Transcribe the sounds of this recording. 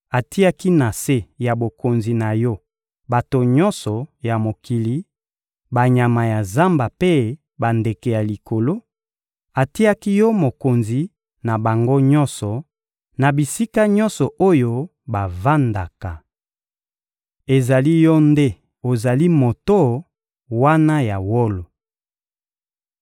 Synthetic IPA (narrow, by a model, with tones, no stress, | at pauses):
a˨ti˦a˦ki˦na˨se˦ja˨bo˨ko˨nzi˨na˨jɔ˦ | ba˨to˨ɲɔ˦nsɔ˨ja˨mo˨ki˨li˨ | ba˨ɲa˨ma˨ja˨za˦mba˨pe˦ | ba˨nde˨kɛ˨ja˨li˨kʰo˨lo˦ | a˨ti˦a˦ki˦jɔ˦mo˨ko˨nzi˨ | na˨ba˨ŋɡo˦ɲɔ˦nsɔ˨ | na˨bi˨si˦ka˦ɲɔ˦nsɔ˨ʔo˦jo˦ | ba˨va˦nda˨ka˨ | e˨za˨li˦jɔ˦nde˦ | o˨za˨li˦mo˨to˦ | wa˦na˦ja˨wo˦lo˨